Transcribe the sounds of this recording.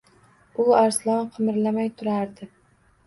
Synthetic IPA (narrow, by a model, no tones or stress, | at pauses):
ʊaɾslˠɒnqʰɨmɪɾlamajt̪ʰʊɾaɾd̪ɪ